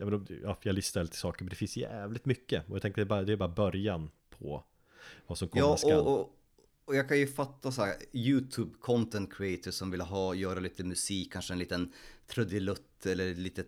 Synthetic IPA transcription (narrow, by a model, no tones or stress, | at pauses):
jɑmɛnɑjɑlɪst̪alt̪ʰɪsɑːkəɾmɛnd̪ɛfɪnsjæ̰ːvlɪt̪mʏkːəɔjat̪ɛŋkt̪əd̪ɛbɑːɾad̪ɛbɑːɾabœɾjan | pʰɔ̰ | vasɔmkʰɔɑːɔaɔ | ɔjɑːkʰanjɵfat̪ːasɔhæːɾjʉ̟ːt̪ʰʉːbkʰɔnt̪ɛnt̪̚kʰɾɪɛɪt̪ʰəʂɔmvɪləɦɑːjœːɾaliːt̪əmʉsiːkʰːanʂəɛnliːt̪ənt̪ʰɾɵd̪ɪlɵt̪ːɛlːəɾliːt̪ə